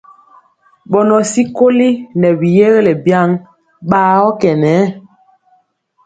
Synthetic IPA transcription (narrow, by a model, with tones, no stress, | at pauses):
ɓɔ˨nɔ˨si˦ko˦li˦nɛ˨bi˨je˦ɣlɛ˨bja˦ŋ | ɓaː˦ɔ˦kɛ˨nɛ˨˦